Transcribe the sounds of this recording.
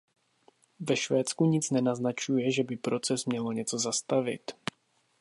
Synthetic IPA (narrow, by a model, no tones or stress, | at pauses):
vɛʃvɛːt̪t͡skuɲɪt͡snɛnaznat͡ʃujɛʒɛbɪpɾo̞t͡sɛsmɲɛloɲɛt͡so̞zast̪avɪ̰t̪